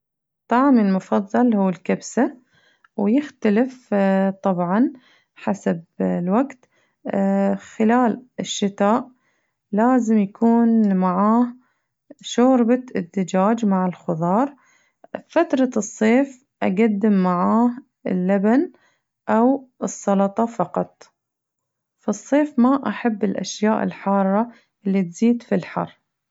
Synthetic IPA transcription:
t̪ˤːɑʕmɪlmʊfɑðˤːɑlhuːɪlkabsa | wjɪxt̪alɪft̪ˤɑbʕɑn | ħasablwaɡt̪ | xɪlaːlɪʃːɪt̪aːʔ | laːzɪmjakʰuːnmaʕaːh | ʃoːɾbaɪd̪ːɪd͡ʒaːd͡ʒmaʕɪlxʊðˤɑːɾˤ | fat̪ɾˤɑɨsˤːeːf | ʔaɡad̪ːɪmːaʕaːh | ɪ̰lːaban | ʔawɨsˤːɑlɑt̪ˤɑfɑqɑt̪ˤ | fɑsˤːeːfmaʔaħabːɪlʔa̰ʃjaːʔɪ̰lħɑːrˤːɑ | ʔɪlːit̪z̥iːd̪filħɑ̰rˤː

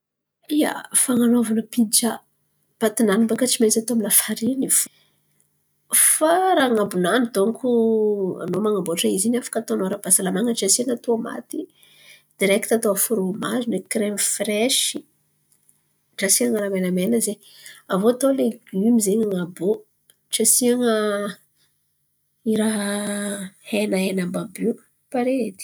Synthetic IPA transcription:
ia̰faŋanovanəpit͡ʃa | pat̪inanimbakət͡simet͡sat̪oaminafaɾinif | faɾaŋabunanit̪oŋkʰua̰nomaŋaboʈ͡ʂaizinafḁkat̪oanoɾəbasalamaŋəʈ͡ʂasinat̪uama̰t̪i | d̪̥iɾɛkit̪at̪oafuɾomazunekɾemfrɛʃi | ʈ͡ʂasiaŋaɾamenamenəze | avot̪oleɡymizeɲaŋabo | ʈ͡ʂasiaŋə | iɾaɦ | henaenambabu | paɾed̪i̥

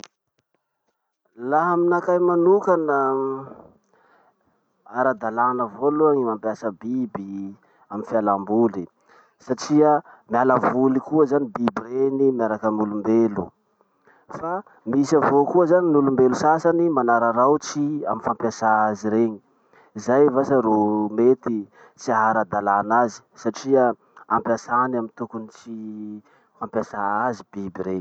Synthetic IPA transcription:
laɦaminakajmanukanə | aɾad̪alanəvoluaŋimampjasəbibi | aminfialambuli | saʈ͡ʂiəmialavulikuəzanibibiɾenimiaɾakəmulumbelṵ | fa | misavokuəzaninulumbelusasanimanaɾaɾawt͡sia̰minfampjasaaziɾeɲi̥ | izajvasaɾomet̪i | t͡siaɦaɾad̪alanazi̥saʈ͡ʂiə | ampjasanamint̪ukunit͡si | fampjasaazibibiɾeɲi

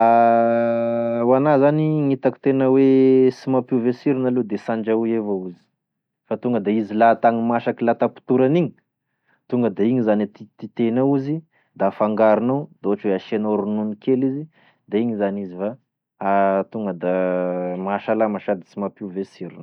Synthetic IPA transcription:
a | wanazaniŋit̪aki̥t̪enəwesimapivesiɾinaled̪esaɳd͡ʒauevauzi̥ | fat̪uŋɡəd̪aizilat̪aŋimaʃakilat̪apu̥t̪uɾaniɲi̥ | t̪uŋɡəd̪aiɲizanit̪it̪it̪enauzi | d̪afaŋɡaɾinowd̪̥oaʈ͡ʂweaʃenoɾununikelizi | d̪aiɲizanizifa | t̪uŋɡəd̪amaʃalamaʃad̪i̥simapivesiɾinə

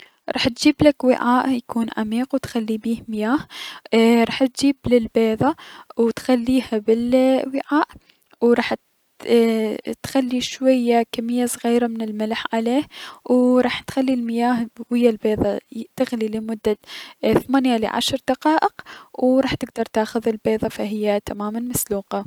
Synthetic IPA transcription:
ɾˤɑ̰ːħt̪̚d͡ʒiːblakwɪ̰ʕaːʔjakuːnʕa̰miːqwt̪xalːibiːhmɪjaːh | ɾˤɑːħt̪̚d͡ʒiːblɪlbeːðˤɑwt̪xalːiːhabɪlwɪʕaːʔ | wɾˤɑːħ | t̪xalːiʃwajːakamːɪjːasˤɣiːɾamɪnɪlmɪlħʕaleːhwɾˤɑːħt̪xalːilmɪjaːhwɪjːalbeːðˤɑt̪ɪɣlilɪmʊd̪ːaθmaːnjalɪ̰ʕa̰ʃɾˤd̪ɑqɑːʔɪqwɾˤɑːħt̪ɪɡ̚d̪ɑɾˤt̪aːxʊðɪlbeːðˤɑfaɦɪjːat̪amaːmanmasluːqɑ

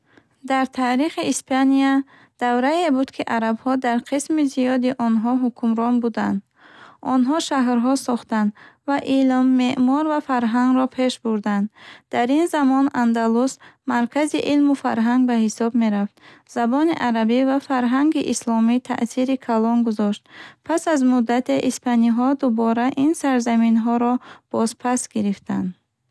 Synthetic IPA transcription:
d̪aɾt̪ʰaːɾiχiːspʰania | d̪̥avɾaebud̪kʰiʔaɾabhɔd̪aɾqʰismiziɔd̪iʔɔnɦɔɦukʰumɾɔnbud̪and̪ | ʔɔnɦɔʃaɦɾɦɔsɔχt̪and̪vaʔilmːe̞ʔmɔɾvafaɾɦaŋɡɾɔpʰe̞ʃbuɾd̪and̪d̪̥aɾinzamɔnand̪alusmaɾkʰaziʔilmufa̰ɾɦaŋɡ̚bahisɔbme̞ɾaft̪z̥abɔniʔaɾabivafaɾɦaŋɡiʔislɔmit̪ʰa̰ʔsiɾikʰalɔnɡuzɔʃt̪pʰasazmud̪ːat̪ʰe̞ʔispʰaniɦɔd̪ubɔɾaʔinsaɾzaminɦɔɾɔb̥ɔzpʰasɡiɾift̪ʰa̰nd̪

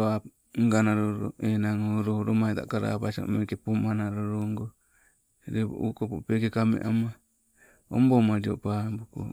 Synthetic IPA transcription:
oa | ŋɡanaɾoɾo̰enaŋoɾoɾomait̪a̰kaɾa̰paso̰mekepumanaɾoɾoŋɡo | ɾeβo̰ʔukopopekekamḛʔama | o̰mbomaɾio̰pambuko̰

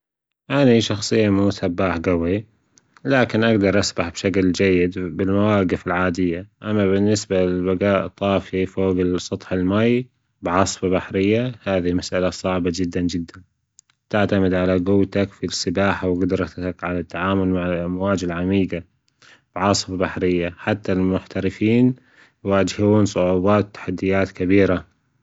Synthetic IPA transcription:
ʔaniʃɑxsˤɨjːamuːsabːaːħɡawi | laːkɪnʔaɡd̪ɑɾˤʔasbaħb̥ʃakld͡ʒajːɪd̪bɪlmawaːɡɪfɪlʕaːd̪ɪjːaʔamːabɪnːɪsbalɪlbaɡaːʔt̪ˤɑːfifoːɡɪsˤɑt̪ˤħɪlmaj | bʕɑsˤfabaħɾɪjːahaːðimasʔalasˤɑʕbad͡ʒɪd̪ːand͡ʒɪd̪ːan | t̪aʕt̪amɪd̪ʕalaɡʊwt̪akfisːɪbaːħawɡʊd̪ɾˤɑt̪akʕalat̪ːaʕaːmʊlmaʕamwaːd͡ʒɪlʕamiːɡa | b̥ɪʕɑsˤfabaħɾɪjːaħat̪ːalmʊħt̪aɾɪfiːn | waːd͡ʒhuːnsˤʊʕuːbaːt̪wt̪ːḁħad̪ːɪjaːt̪kabiːɾa

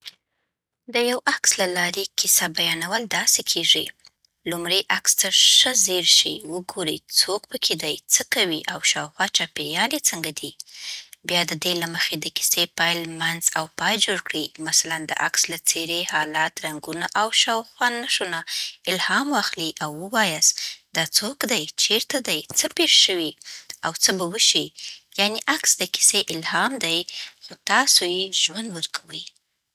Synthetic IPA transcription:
d̪əjawakslalɑɾekisabajɑnawəld̪ɑsekʰeʐi | lumɽeʔakst̪aʂəzeɾʃiwəɡoɾit͡sok̚pəkʰed̪ajt͡səkawiʔawʃɑwxwɑt͡ʃɑpeɾjɑlet͡səŋɡad̪i | bjɑd̪əd̪elaməxed̪əki̥sepɑjlmanzawpɑjd͡ʒoɽkɽimasaland̪ə̰ʔakslat͡seɾehɑlɑt̪ɾaŋɡunaʔawʃɑwxwanːaʃonaɪlhɑmwɑxliʔawːəwɑjasd̪̥ɑt͡sokd̪ajt͡ʃeɾt̪ad̪ajt͡səpeɾʃəwiawt͡səbawəʃijaneʔaksd̪əki̥seʔɪlhɑmd̪ajxot̪ɑsojeʒwand̪wəɾkʰawəj

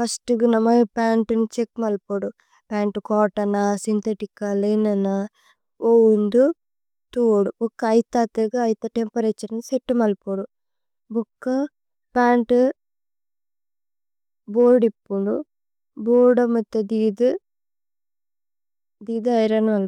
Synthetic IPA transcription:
pʰɐsʈuɡunɐmɐpaːɳʈunut͡ʃekːmɐlpoːɽu | paːɳʈukɔːʈːɐnasint̪ʰeʈikːɐlɐjnɐnɐ | owund̪u | t̪uːɽuɔkːɐːjt̪aːt̪eɡɐɐjt̪ɐʈempɐɾet͡ʃːɐɾnseʈːumɐlpoːɽu | bɔkːɐ | paːɳʈu | boːɖipːuɳɖu | boːɖɐmɐt̪ːed̪iːd̪u | d̪iːd̪ɐjɾɐnɐmɐl

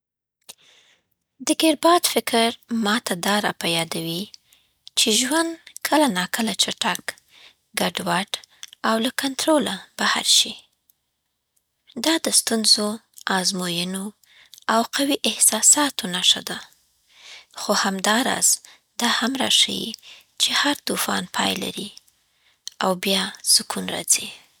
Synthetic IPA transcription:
d̪əɡeɾbɑd̪fɪkɾmɑt̪ad̪ɑɾɑpajɑd̪awi | t͡ʃeʒwand̪kʰəlanɑkəlat͡ʃaʈak | ɡaɖwaʈawlakant̪ɾolab̥aha̰ɾʃi | d̪ɑd̪əst̪unzo | ɑzmojəno | awqawiʔɪhsɑsɑt̪onaʂa̰d̪a | xohamd̪ɑɾɑ̰z̥ | d̪ɑhamɾɑ̰ʃa̰jḭt͡ʃehaɾt̪ufɑ̰npʰɑjla̰ɾi | awbjɑsʊkunɾɑ̰zi

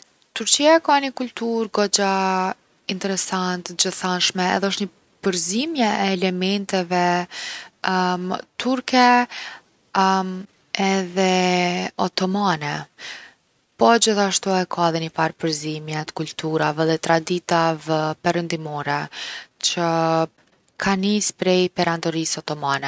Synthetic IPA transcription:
t̪uɾt͡ɕiakanəkult̪uɾɡɔd͡ʑa | int̪ɛɾɛsant̪d͡ʑəθanʃmɛɛ̰ðɛɔʃtɲə | pəɾzimjɛʔɛːlɛmɛnt̪ɛvɛ | t̪uɾkɛ | ɛðɛ | ɔt̪ɔmanɛ | pɔd͡ʑiθaʃt̪uɛkʰaðinipaɾpəɾzimjɛt̪kult̪uɾavɛðɛt̪ɾad̪it̪avɛpɛɾənd̪imɔɾɛt͡ɕə | kʰanispɾɛjpɛɾand̪ɔɾisɔt̪ɔmanɛ

